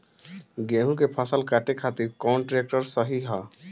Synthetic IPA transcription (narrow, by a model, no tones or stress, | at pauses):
ɡeɦũkepʰasəlkaʈekʰat̪iɾkɔwɳʈɾek̚ʈɔɾsəɦiɦɔ